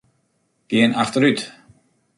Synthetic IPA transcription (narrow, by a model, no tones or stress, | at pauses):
ɡ̥iənaxt̪əɾyt̪